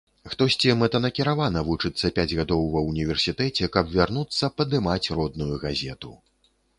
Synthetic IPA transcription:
xt̪ɔsʲt͡sʲimɛt̪ɐnɐkʲiɾavanɐvut͡ʂɨt̪sːɐpʲad͡zʲɣad̪ɔwvɐwnʲivʲɛrsʲit̪ɛt͡sʲɛkɐbvʲarnut̪sːɐpɐd̪ɨmat͡sʲrɔd̪nujuɣazʲɛt̪ṵ

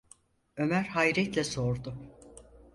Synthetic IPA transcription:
ø̞mæɾhajɾɛt̪lʲɛsoɾd̪ʊ

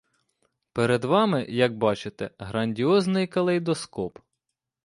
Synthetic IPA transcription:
peɾeɛd̪ʋɑmɪjɐɡ̚bɑt͡ʃɪt̪ɛɦɾɐnʲdʲiɔznɪjkɐlˠɛjd̪ɔskɔp

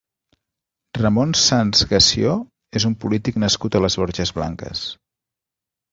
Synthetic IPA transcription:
rəmonsanzɣəsio | ezumpulit̪iknəskut̪ələzβoɾʒəzβla̰ŋkə̰s

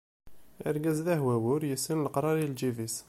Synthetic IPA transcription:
ə̰ɾɡæzðæhwæwʊɾjəsənlqɾˤɑɾild͡ʒivis

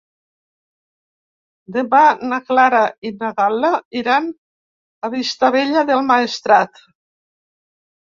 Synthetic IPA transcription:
d̪eβanaklaɾainaɣalaiɾan | aβist̪aβeʎaðelˠmaest̪ɾat̪

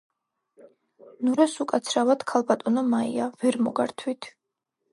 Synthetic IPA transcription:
nuɾasukʼat̪sʰɾavat̪kʰalˠbat̪ʼɔnɔmaḭavɛɾmɔɡaɾt̪ʰwit̪ʰ

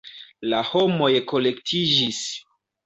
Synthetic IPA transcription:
lahomo̞jko̞le̞ktʰid͡ʒis

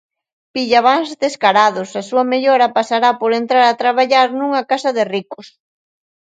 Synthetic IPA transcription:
piʎaβaŋzðeskaɾaðʊsasuɐmeʎɔɾɐpasaɾapoɾent̪ɾaɾat̪ɾaβ̞aʎaɾnuŋɐkasɐðɪrikʊs

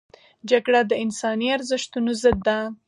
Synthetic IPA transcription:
d͡ʒaɡɽad̪əɪnsɑniaɾzəʃt̪unozəd̪ːa

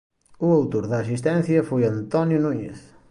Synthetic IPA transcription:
uawt̪oɾðɐːsist̪ɛnθjɐfojɐnt̪ɔnjunuɲḛθ

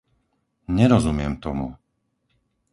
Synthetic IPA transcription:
ɲɛɾɔzumɪɛmt̪ɔmṵ

